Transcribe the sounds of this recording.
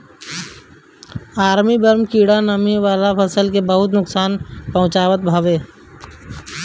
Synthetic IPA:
aːɾmibəɾmkiːɽanəmiʋaːlapʰəsəlkebəɦʊt̪nʊksaːnpɐɦʊ̃t͡ʃaːʋət̪̚bʱaːʋeː

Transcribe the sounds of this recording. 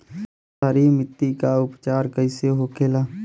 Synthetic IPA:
saːɾimɪt̪ːikaʊpt͡ʃaːɾkəɪseɦoːkʰeːlaː

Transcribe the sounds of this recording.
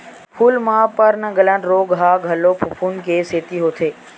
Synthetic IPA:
pʰuːlmãːpəɾnəɡələ̃nɾoːɡɦaːɡʱəloːpʰʊpʰunkeːseːt̪iːɦoːt̪ʰeː

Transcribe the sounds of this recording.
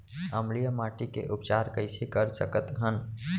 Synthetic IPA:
əmlijəmaːʈikḛʔʊpt͡ʃaːɾkəɪsekəɾsəkət̪ɦən

